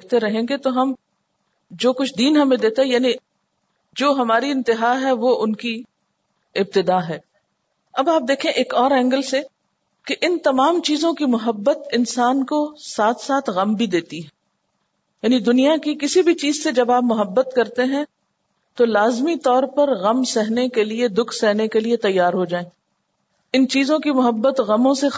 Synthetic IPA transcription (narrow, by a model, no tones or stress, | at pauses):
k̚ʰt̪eɾɐɦẽːŋɡet̪oɦɐm | d͡ʒoːkʊt͡ʃʰd̪iːnɦɐmẽd̪eːt̪aɦɛjaːni | d͡ʒoːɦɐmaːɾiɪ̃nt̪ɪɦaːɦɛʋoʔʊnki | ɪb̚t̪ɪd̪aːɦɛː | ɐbaːp̚d̪eːkʰẽʔeːkɔːɾɛ̃ːŋɡəlse | keʔɪnt̪ɐmaːmt͡ʃiːzõkimʊɦəbːət̪ɪnsaːnkosaːt̪ʰsaːt̪ʰɣɐmbʱid̪eːt̪iɦɛ̃ː | jaːnid̪ʊnijakikɪsibʱit͡ʃiːzsed͡ʒɐbaːpmʊɦəbːət̪kɐɾt̪eɦɛ̃ | t̪olaːzmit̪ɔːɾpɐɾɣɐmsɛɦnekelied̪ʊkʰsɛɦnekeliet̪ɐjːaːɾɦod͡ʒaːẽː | ɪnt͡ʃiːzõkimʊɦəbːət̪ɣɐmõse